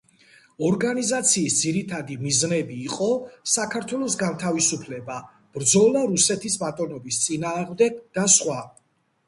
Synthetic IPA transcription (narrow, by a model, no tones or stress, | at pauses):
ɔɾɡanizat̪sʰiːsd̪ziɾit̪ʰad̪imiznɛbiːqʼɔsakʰaɾt̪ʰwɛlˠɔsɡant̪ʰavisupʰlɛba | b̥ɾd̪zɔlˠaɾusɛt̪ʰisbat̪ʼɔnɔbist̪sʼinaːʁmd̪ɛɡ̚d̪̥asχwa